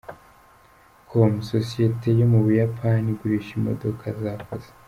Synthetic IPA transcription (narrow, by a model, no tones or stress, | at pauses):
kʰomsosijetʰe̞jomuβujapʰaniɡuɾiʃimo̞̰do̞kʰazakoz̥e̥